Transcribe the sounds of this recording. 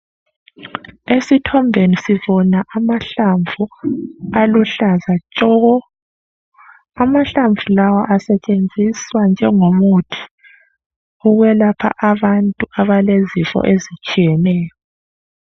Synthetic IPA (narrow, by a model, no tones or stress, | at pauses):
esitʰɔmbʱenisiβɔnaʔamaɬaɱvu | aluɬazat͡ʃʼɔɣɔ | amaɬaɱvʱulawaʔasɛt͡ʃʼend͡zʱiswand͡ʒʱɛŋomutʰi̥ | uɣwɛlapʰa̰ʔaβantʼuaβalezifɔ̰ʔezit͡ʃʼijɛnɛːjɔ